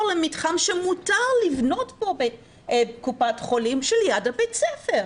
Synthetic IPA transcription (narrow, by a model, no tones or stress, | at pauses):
lemitχanʃemutaʁlivno̞tbo̞be | bkupatχo̞limʃeljadabet͡sɛfeʁ